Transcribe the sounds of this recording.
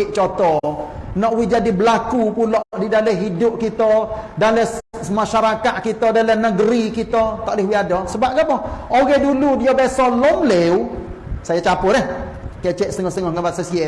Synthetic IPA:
ɪʔt͡ʃot̪ɔnɔʔwid͡ʒadibəlakupulɔʔdidalɛɦidʊp̚kit̪ɔdalə | maʃaɾakaʔ̪̚kit̪ɔdalənəɡəɾikit̪ɔt̪ɔʔlɪhwiadɔsəbap̚ɡapɔhoɣɛduludijobɛsɔlɔmlew | sajat͡ʃapʊɾɛh | kat͡ʃɛʔsət̪əŋɔhst̪əŋɔhŋəbasəsiɛ

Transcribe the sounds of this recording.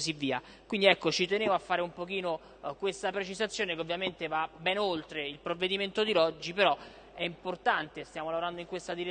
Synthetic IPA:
sivːiːa | kwind̪iɛkːot͡ʃit̪enevoafːaːɾeumpok̟iːno | kwest̪apɾet͡ʃizat̪sːjoːnekeovːjament̪evabɛnolt̪ɾeilpɾovːed̪iment̪od̪ilɔd͡ʒːipeɾɔ | ɛimport̪ant̪est̪jaːmolavoɾand̪oiŋkwest̪ad̪iɾe

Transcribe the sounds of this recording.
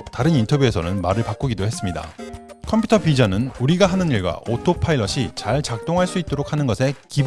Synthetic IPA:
taɾɯnintʰʌbjue̞sʰʌ̰nɯnmaɾɯɭpak͈uɡidohe̞s͈ɯmɲida̰kʰʌmpʰjutʰʌpid͡ʑanɯnuɾiɡaɦanɯniɭɡwa̰otʰopʰaiɭːʌɕʰit͡ɕaɭt͡ɕak̚t͈oŋɦaɭs͈uit̚t͈oɾok̚hanɯnɡʌsʰe̞kib

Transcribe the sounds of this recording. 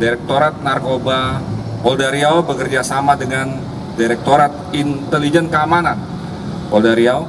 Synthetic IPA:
diɾɛk̚t̪oɾat̪̚narkoba | ɔldaɾiawbəkərd͡ʒasamadəŋan | diɾɛk̚t̪oɾat̪̚int̪ɛlid͡ʒɛnkəamanan | ɔldaɾiao

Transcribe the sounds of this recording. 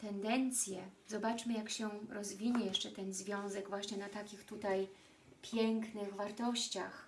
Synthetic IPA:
t̪ɛnd̪ɛnt̪sʲjɛzɔbat͡ʂmɘjakɕɛɾɔzvʲiɲɛjɛʂt͡ʂɛt̪ɛnzvʲjɔ̃w̃zɛɡvwaɕɲɛnat̪akʲixt̪ut̪aj | pʲjɛŋknɘɣvaɾt̪ɔɕt͡ɕax

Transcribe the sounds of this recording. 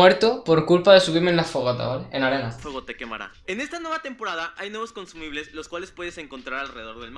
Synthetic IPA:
we̞ɾt̪opo̞ɾkulpaðe̞suβ̞iɾmenlasfoɣ̞at̪a̰βaleenaɾe̞nafoɣot̪ekema̰ɾa̰ | ene̞st̪anwe̞βat̪e̞mpo̞ɾaðaʔajnwe̞βosko̞nsumiβle̞slo̞skwale̞spwe̞ðese̞ŋko̞nt̪ɾaɾalreðeðo̞ɾðelma

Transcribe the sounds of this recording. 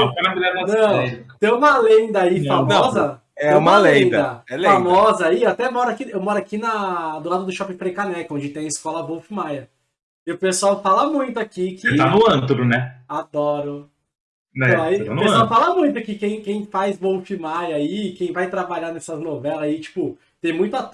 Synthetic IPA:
nɐ̃fojnavelaanɐ̃w̪̃t̪ẽj̃ũmɐlẽnd̪ɐifamɔɐ̃zɐt̪ɛ̃jũmɐlẽd̪ɐɛlfamɔzɐaiat̪ɛmɔɾʊakiewmɔɾʊakinɐd̪ʊlad̪ɐd̪ʊʃɔpĩfɾekanɛkʊõd͡ʒɪt̪ẽj̃ɐɪskɔlɐvowfimajɐ | ɪʊpesʊawfalɐmũj̃t̪ʊakikɪt̪anʊɐ̃t̪ʊɾʊnɛad̪ɔɾʊ | nɛ̃aiãnpesawfalɐmũj̃t̪ʊkɪkẽj̃kẽj̃fajzvowfimajɐiɪkẽj̃vajt̪ɾabaʎanɛsɐznovɛlɐit͡ʃi̥pʊ | t̪ẽj̃mũj̃t̪ʊat̪

